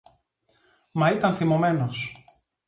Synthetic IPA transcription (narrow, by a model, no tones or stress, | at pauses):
mɐit̪ɐnθimome̞nos